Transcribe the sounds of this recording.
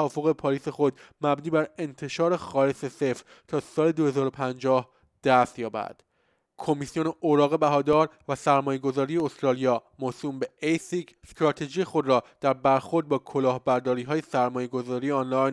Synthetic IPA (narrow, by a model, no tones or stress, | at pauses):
vɒːfo̞ɣepʰɒːɾiːse̞xo̞d̪mæbniːbæɾe̞nt̪ʰe̞ʃɒːɾe̞xɒːlesese̞fɾ | t̪ʰɒːsɒːle̞d̪ohe̞zɒːɾo̞pʰænd͡ʒɒːh | d̪̥æst̪jɒːbæ̰d̪̥ | kʰo̞misijo̞neoɾɒːɣe̞bæɦɒːd̪ɒːɾvæsæɾmɒːje̞ɡo̞zɒːɾijeost̪ɾɒːlijɒːmosuːmbe̞ejsikʰst̪ɾɒːt̪ʰe̞d͡ʒiːjexo̞d̪ɾɒːd̪̥æɾbæɾxo̞ɾd̪̚bɒːkʰo̞lɒːhbæɾd̪ɒːɾiːɦɒːje̞sæɾmɒːje̞ɡo̞zɒːɾiːjeɒnlɒjn